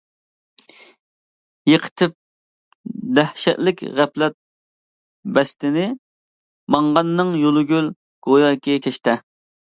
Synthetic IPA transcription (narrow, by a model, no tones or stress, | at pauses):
jəqʰə̥t̪ʰɪp̚ | d̪ɛhʃɛt̪lɪkʲʁæplɛt̪̚ | bɛst̪ɪnɪ | mɑŋʁɑnːɨŋjolˠɨɡʲyl | ɡ̥ojɑjkʲʰɛkʲʰɛʃt̪ɛ